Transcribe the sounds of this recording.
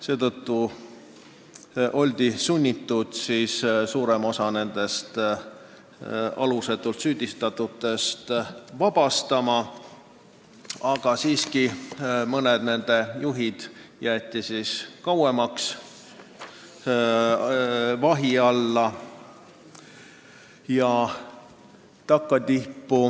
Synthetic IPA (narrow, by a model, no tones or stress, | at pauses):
se̞ːt̪ɤt̪ːu | ʔo̞lʲd̪̥isunʲːit̪ːˑud̪̥siːssuːɾemo̞sɑne̞nd̪̥e̞st̪ | ɑ̰luse̞t̪ːˑult̪syːd̪̥ʲist̪ɑt̪ːˑut̪ːˑe̞st̪vɑb̥ɑst̪ɑmɑ | ɑɡ̥ɑsiːskimɤned̪ne̞nd̪e̞juɦid̪̥jæːt̪ːˑisiːskɑwemɑks | vɑɦiɑlːɑ | jɑ | t̪ɑkːɑt̪ihpːu